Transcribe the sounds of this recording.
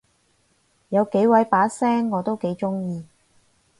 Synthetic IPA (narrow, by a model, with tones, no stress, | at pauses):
jɐ˨˧wke˨˧˥jwɐ˨˧˥jpaː˨˥sɛː˥ŋːɔː˨˧t̪o˥wke˨˥jt͡ʃʊ˥ŋjiː˨˧